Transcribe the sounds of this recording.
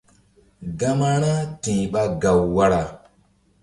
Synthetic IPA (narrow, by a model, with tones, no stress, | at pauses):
ɡa˦ma˦ɾ̃a˦tĩ˨ɓa˧ɡa˨wːa˦ɾa˨